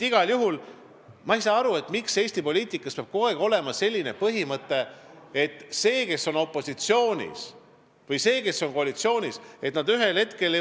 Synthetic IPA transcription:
iɡ̥ɑljuɦul | mɑejsɑːɑɾue̞t̪mikse̞ːsʲt̪ipo̞lʲiːt̪ˑikːˑɑspeɑb̥ko̞eɡo̞le̞mɑse̞lʲːine̞pɤɦimɤt̪ːˑe̞et̪ːˑse̞ːke̞sːo̞no̞pːˑo̞sit̪sio̞ːnʲḭs | vɤjse̞ːke̞sːo̞nko̞ɑlit̪sio̞ːnʲise̞t̪nɑd̪yɦe̞lhe̞t̪ke̞l

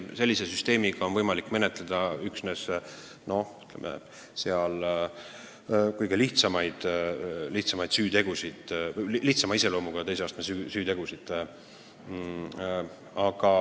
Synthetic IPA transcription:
se̞lʲːise̞syst̪e̞ːmiɡ̥ɑonvɤjmɑlikːˑme̞ne̞t̪led̪̥ɑyksne̞s | no̞hy̥t̪lḛmʔḛ | se̞ɑl | kujɡ̥eliht̪sɑmɑjd̪̥liht̪sɑmɑjd̪syːt̪e̞ɡ̥usid̪̥lliht̪sɑmɑise̞lo̞ːmuɡ̥ɑt̪ejseɑːst̪ɑmesysyːt̪eɡ̥usid̪̥ | ɑɡ̥ɑ

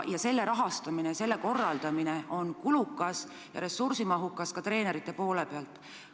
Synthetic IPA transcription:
jɑse̞lːe̞ɾɑɦɑst̪ɑminese̞lːeko̞rːɑld̪̥ɑmineʔo̞nkulukːˑɑs | jɑ̰ɾe̞sursimɑɦukːˑɑskɑt̪re̞ːne̞ɾit̪ˑːe̞po̞ːle̞peɑlt̪ːˑ

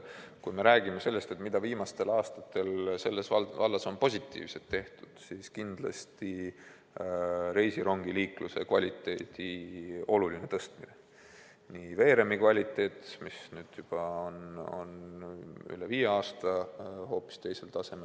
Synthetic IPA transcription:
kujme̞ɾæːɡ̥imese̞lːest̪et̪mid̪̥ɑviːmɑst̪e̞lɑːst̪ɑ̥t̪ːe̞lse̞lːe̞svɑlvɑlːɑso̞npo̞sʲit̪ˑːḭːvselt̪ːe̞ht̪u̥d̪̥siːskind̪̥lɑ̰st̪i | ɾe̞jsiɾo̞ŋɡ̥iliːkluse̞kvɑ̰lʲit̪ːˑe̞ːt̪io̞luline̞t̪ɤst̪mine | niːve̞ːɾe̞mikvɑlʲit̪ˑːe̞ːt̪misnyːd̪̥jub̥ɑono̞̰n | y̰leviːjeɑːst̪ɑho̞ːpːi̥st̪e̞jse̞lt̪ɑse̞me

